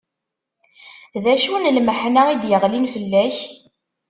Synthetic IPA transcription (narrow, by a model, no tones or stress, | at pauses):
ðæʃunlməħnaid̪jəʁlinfəlːæç